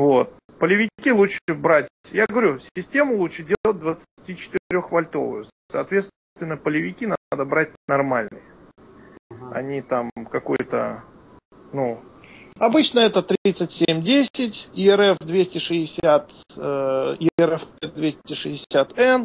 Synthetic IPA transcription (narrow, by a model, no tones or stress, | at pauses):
vot̪̚ | pəlʲɪvʲɪkʲilˠutʂɨbɾatʲjaɡɡəvɐɾʲusʲɪsʲtʲe̞mʊlˠuʂɨdʲeət̚ʲd̪vət̪sɨ̥tʲit͡ɕɪ̥t̪ɨɾʲo̞xvɐlʲt̪o̞̰vʊ̰jʊsɐːt̪vʲe̞t̪s | t̪vʲɪnːəpəlʲɪvʲɪkʲinaad̪əbɾat̚ʲnɐrmalʲnɨjə | ɐ̰nʲit̪amkɐkojt̪ə̰ | nu | ɐbɨt͡ɕnəɛt̪ət̪ɾʲit̪sɨtʲsʲemʲdʲesʲɪtʲɪɛɾɛfd̪vʲesʲtʲɪʂɨsʲat̪ː | ɪɛɾɛfɛd̪vʲesʲtʲɪʂɨɪsʲat̪ɛn